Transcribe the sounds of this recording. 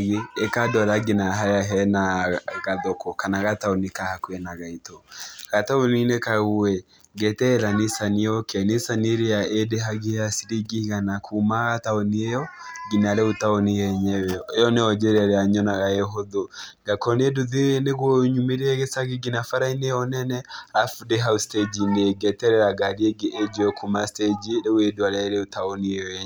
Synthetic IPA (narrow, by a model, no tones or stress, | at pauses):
ɣeːkadɔɾaɡenaɦajaɦɛnaɣaðɔkɔkanaɣataonekahakwɛnaɣaitoɣataoninekaɣuwɛ | ɡɛtɛɾanesaniɔkʰɛnesaneɾeaedeɦaɣeasiɾiɡiɣanakʰumaɣataoniejɔɡinaɾɛotaɔnijɛɲɛwɛejɔneɔd͡ʒɛɾɛɾɛaɲɔnaɣaeɦoðoɡakɔnieduðeneɣwɔɲumeɾeɛɣesaɡiɡinafaɾaineɔnɛnɛafudeɦausted͡ʒineɡɛtɛɾɛɾaɡaɾiɛɡeʔed͡ʒɔɔkʰumasted͡ʒiɾeweduaɾɛɾeotaɔniɔɛɲɛ